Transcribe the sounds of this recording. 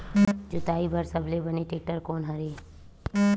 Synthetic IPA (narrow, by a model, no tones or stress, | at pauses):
d͡ʒʊt̪aːibʱɐɾsɐblebɐneʈeːʈəɾkoːnɦɐɾeː